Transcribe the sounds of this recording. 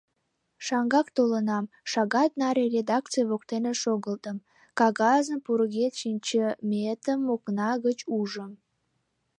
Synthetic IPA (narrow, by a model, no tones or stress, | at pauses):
ʃɑŋɡɑkt̪olənɑm | ʃɑɣɑt̪̚nɑɾʲerʲed̪ɑk̚t͡sɨjβok̚t̪eneʃoɣəlt̪əm | kɑɣɑzəpuɾɣet̪ʃinʲt͡ɕəmʲet̪əmːoknɑɣət͡ɕuʒəm